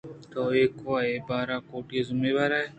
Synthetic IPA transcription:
t̪oːeːkoaeːbaːɾaːkoːʈijezʊmeːbaːɾaːeː

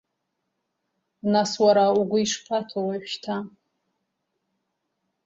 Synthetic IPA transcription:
naswaɾauɡʷʊiʂpʰatʰawaʃtʰa

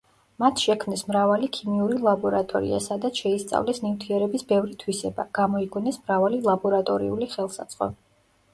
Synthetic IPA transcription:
mat̪ʰʃɛkʰmnɛsmɾavalikʰimiuɾilˠabɔɾat̪ʼɔɾḭa̰sad̪at̪sʃɛist̪sʼa̰vlɛsnimt̪ʰiɛɾɛbisbɛvɾit̪ʰwisɛba̰ɡ̥amɔiɡunɛsmɾavalilˠabɔɾat̪ʼɔɾiuliχɛlˠsat̪sʼqʼɔ̰

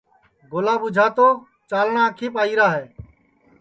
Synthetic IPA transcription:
ɡoːlaːbʊd͡ʒʱaːt̪oː | t͡ʃaːlɳaːkʰiːpaːiːɾaːɦeː

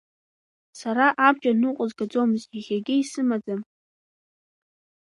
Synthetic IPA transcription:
saɾaʔab̚t͡ʃʼanɨqʷʼʊzɡad͡zo̞mɨziχʲaɡʲɪisɨmad͡zam

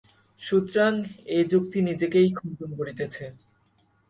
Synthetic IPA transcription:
ʃut̪ɾaŋed͡ʑuk̚t̪inid͡ʑekejkʰɔntonkoɾit̪et͡ɕʰe

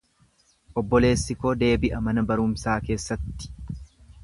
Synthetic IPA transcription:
ʔɔbːɔle̞ːsːɪkod̪e̞ːbɪʔɐmɐnɐbɐɾʊmsaːke̞ːsːɐt̪ːɪ̥

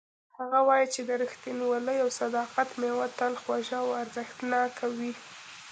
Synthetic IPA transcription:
haɣawɑjit͡ʃed̪əɾəxt̪inwaləjawsad̪ɑqat̪mewat̪alxwaʒawaɾzəxt̪nɑkʰawi

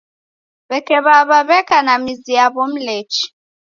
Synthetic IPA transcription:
βɛkɛβaβaβɛkʼanamizijaβom̩leːt͡ʃʰʼi̥

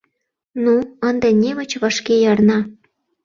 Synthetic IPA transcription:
nuənd̪enʲemə̆t͡ɕβɑʃkejɑrnɑ

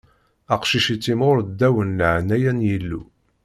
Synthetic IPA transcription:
æqʃiʃit͡sːimʊɾd̪ːæwənːəʕnæjænjilːṵ

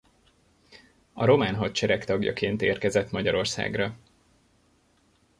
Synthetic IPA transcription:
ɒɾo̞maːnɦɒt̪t͡ʃɛɾɛkt̪ɒɡjɒ̰keːnt̪eːrkɛzɛt̪mɒɟɒɾo̞rsa̰ːɡrɒ

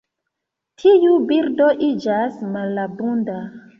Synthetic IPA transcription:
tʰijubiɾdoʔid͡ʒasmalabunda

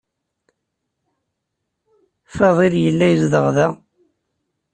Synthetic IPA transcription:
fɑðˤiɾjəlːæjəzðəʁðæ

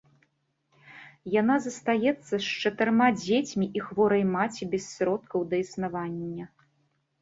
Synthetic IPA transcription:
janazɐst̪ajɛt̪sːɐst͡ʂɐt̪ɨrmad͡zʲet͡sʲmʲiʔixvɔɾɐjmat͡sʲibʲɛsːɾɔt̪kɐwd̪ɐisnavanʲːɐ

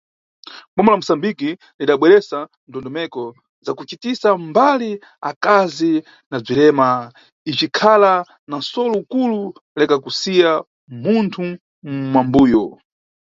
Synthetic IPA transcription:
ɓɔmɔlam̩usambiki | liɗaɓwɛɾɛsa | ndɔndɔmɛkɔ | zakut͡ʃitisambali | akazi | nab͡ʐilɛma | it͡ʃikʰala | nasɔlɔukulu | lɛkakusija | muntʰu | mmambuːjɔ

